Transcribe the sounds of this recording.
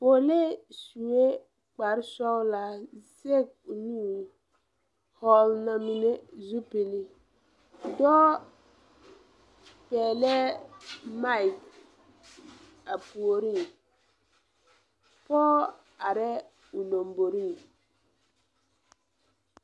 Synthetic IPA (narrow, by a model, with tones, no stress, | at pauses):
po˨le˦su˨we˦ | k͡pa˨ɾsɔ˦wla˦ze˦˨k̚ | u˨nu˦˨ | hɔ˦lna˨mi˦ne˦zu˦pi˨li˦ | dɔː˦ | pɛː˨lɛ˦ | ma˦i˨k | a˨pu˨o˨ɾi˦˨ | pɔː˦ | a˨ɾɛ˦ | u˨lo˨mbo˨ɾi˦˨